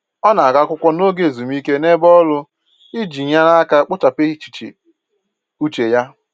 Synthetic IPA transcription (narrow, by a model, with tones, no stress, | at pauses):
ɔ˦na˨a˨ɡa˦kʷʊ˦kʷɔ˦no˦ɡe˨zu˨m˦i˦ke˦ne˦bɔ˦lʊ˦ | i˦d͡ʒi˨ɲa˦na˦ka˦k͡pʊ˦ta˨pɪ˦i˦t͡ʃi̥˨t͡ʃḭ˨ | u˦t͡ʃe˨ja˦